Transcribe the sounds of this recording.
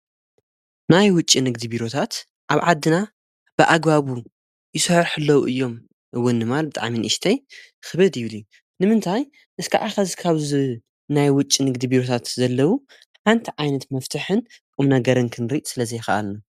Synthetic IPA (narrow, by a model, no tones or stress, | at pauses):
najwʊt͡ʃʼːinɨɡd̪ibiɾo̞t̪ʰat̪ | ʔaβʕad̪ːɨna | b̥ɨʔaɡbaβu | jɪsɐhɾħɨlːɐwuʔɨjːo̞m | ʔɨwːɨnːɨmalbɨt̪ʼa̰ʕminɨʔiʃt̪ʰɐjxɨβɨd̪jɪβliju | nɨmɨnt̪ʰaj | ʔɨskʰaʔaxɐzkʰaβzɨ | najwʊt͡ʃʼːinɨɡd̪ibiɾo̞t̪ʰat̪zɐlːɐwu | ħant̪ʰiʕajnɐt̪mɐft̪ʰɨħɨnkʼɨmnɐɡɐɾɨnkʰɨnɾiʔsɨlɐzɐjɪxɐʔa̰lna